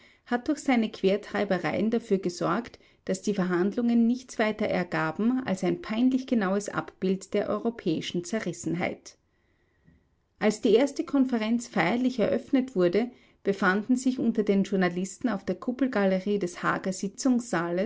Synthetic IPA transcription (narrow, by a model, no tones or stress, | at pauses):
hat̚d̥ʊɐçz̥aɪnəkʰv̥eːɐtʁ̥aɪbəʁaɪəndafyːɐɡəzɔɐkt | d̥asd̥iːfɛɐɦandlʊŋənːɪçt͡sv̥aɪtɐʔɛ̰ɐɡaːbm̩a̰lsaɪnpʰaɪnlɪçɡ̥ənaʊəsʔa̰pb̥ɪltd̥eːɐʔɔ̰ʏʁopʰɛːɪʃn̩t͡sɛɐʁɪsn̩ɦa̰ɪt | ʔalsd̥iːʔeːɐstəkʰɔnfɛʁɛnt͡sfaɪɐlɪçɛɐʔœfnətv̥ʊɐdə | b̥əfandn̩zɪçʔʊntɐdeːnʒʊɐnalɪstn̩aʊfd̥eːɐkʰʊpl̩ɡaləʁiːdɛsha̰ːɡɐz̥ɪt͡sʊŋsz̥aːlə